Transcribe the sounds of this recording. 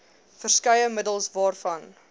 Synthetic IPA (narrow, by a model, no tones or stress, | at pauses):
fərskɐjəmədəlˠsvɑːrfɐn